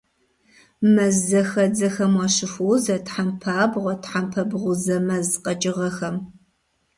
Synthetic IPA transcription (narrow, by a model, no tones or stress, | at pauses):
mɐzɐxɐd͡zɐxɐmwaːɕɪfuwzɐtħampʰaːbʁʷɔtħampʰɐbʁʷʊzɐmɐzqɐt͡ʃʼɪʁɐxɐm